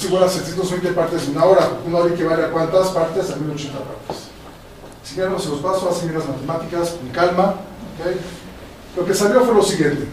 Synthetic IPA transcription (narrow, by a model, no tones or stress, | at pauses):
siɣwelasjes̬jent̪ozβejnt̪̬e̞paɾt̪esunao̞ɾaunoaβikeβaleakwant̪aspaɾt̪esalio̞t͡ʃe̞nt̪apa̰ɾt̪e̥s | siɣeɾnoselospasoasemeɾazmat̪e̞mat̪ikaskoŋkalmaokej | lo̞ke̞saβjo̞fwe̞lo̞siɣje̞nt̪e